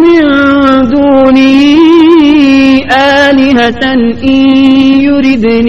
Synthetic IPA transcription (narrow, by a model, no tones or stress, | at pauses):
mɪnd̪uːni | ʔaːlɪɦat̪anʔijʊɾid̪n